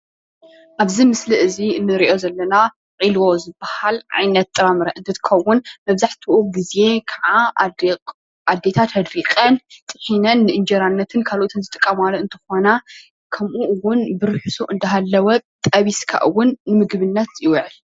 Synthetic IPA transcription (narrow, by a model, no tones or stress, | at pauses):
ʔaβzimɨsliʔɨziɨnːɨɾiʔo̞zɐlːɐna | qʼilwo̞zɨbːahalʕa̰jnɐt̪̚ːʼɨɾamɾɐʔɨnt̪ʰɨt̪ʰɨ̥kʰɐwʊnmɐβzaħt̪ʰuʔuɡizje̞kʰaʕa | ad̪ːe̞t̪ʰat̪hɐd̪ɾikʼɐnt̪ʼɨħinɐnːɨʔɨnd͡ʒɐɾanːɐt̪ʰɨnkʰalʔot̪ʰɨnzɨt̪ʼɨkʼːɐmalɨnt̪ʰɨ̥xo̞na | kʰɐmʔuʔɨwːʊnbɨɾɨħɨsuʔɨnd̪ɐɦalːɐwɐt̪ʼɐβiskʰa̰ʔɨwʊnːɨmɨɡβɨnːɐt̪jɪwʕɨl